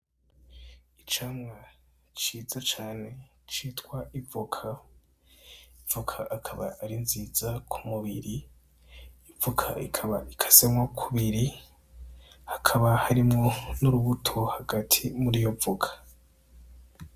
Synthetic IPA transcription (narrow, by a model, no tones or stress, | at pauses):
it͡ʃaːmŋa | t͡ʃiːzat͡ʃaːne̞ | t͡ʃiːtkwaʔivokʰa | ivokʰaʔːkʰaβa̰ʔːɾinziːzakʰumuβiɾiː | vukʰa̰ikʰaβa̰ʔikʰḁsemwakʰuβiɾi | hakʰaβahaɾimŋo̞nuɾuβutʰo̞haɡatʰimuɾijo̞vukʰḁ